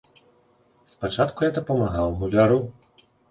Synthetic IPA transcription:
spat͡ʂat̪kujad̪ɐpɐmaɣawmulʲaɾu

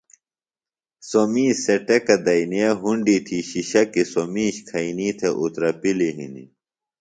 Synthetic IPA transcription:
somiːseʈekɐd̪ɐiniɐɦuɳɖit̪ʰiɕiɕɐkisomiːɕkʰɐiniːt̪ʰeʔut̪ɾɐpiliɦḭnḭ

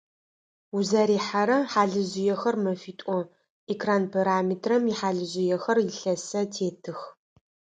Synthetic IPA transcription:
uzɐɾiːħaɾɐħaːɮɨʑɪjɛxɐrmɐfiːtʷʼɔ | ekʰraːnpʰaɾaːmiːtʰrɐmjɪħaːɮɨʑɪjɛxɐrjɪɬɐsɐtʰeːtʰɨx

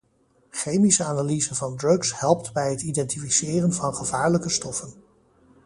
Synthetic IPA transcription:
χejmisəaːnalizənvɑndrɵkshɛlˠp̚tbɛjɦətidɛntifisɪːrənvɑnχəvaːɹləkəstɔfən

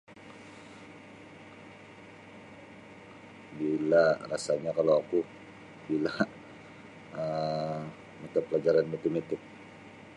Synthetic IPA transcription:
bilarasaɲakalawaku | bila | ə | mat͡ʃapːəlad͡ʒaɾanmat̪emat̪ɪk̚

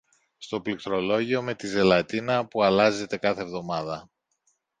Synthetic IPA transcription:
st̪o̞plikt̪ɾo̞lo̞ʝio̞me̞t̪ize̞lɐt̪inɐpuɐlɐze̞t̪e̞kɐθevðo̞mɐðɐ

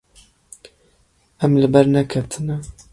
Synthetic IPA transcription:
ɛmlɨbɛɾnɛkʰɛt̪ʰɨnɛ

